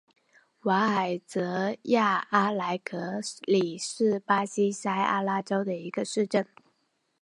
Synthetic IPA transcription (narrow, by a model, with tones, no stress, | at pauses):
wa˧˥a˨˩ɪt͡sɤ˧˥ja˥˩a˥la˧˥ɪkʰɤ˧˥li˨˩ʂɻ̩˥˩pa˥ɕi˥sa˥ɪʔa̰˥la˥ʈ͡ʂo˥ʊd̪ə˨i˧˥ɡ̥ə˧ʂɻ̩˥˧ʈ͡ʂə˥˩n